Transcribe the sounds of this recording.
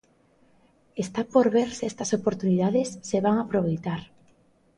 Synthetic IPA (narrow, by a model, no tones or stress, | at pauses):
est̪apoɾβeɾsɛst̪ɐsopoɾt̪uniðaðesːeβaŋapɾoβ̞ejt̪aɾ